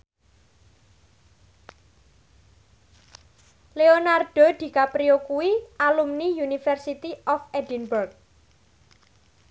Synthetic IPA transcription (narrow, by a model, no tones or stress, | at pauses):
leonard̥o̤d̪̥i̤kapɾiokuwiʔalumnijunifɛrsit̪iʔɔfedinburk̚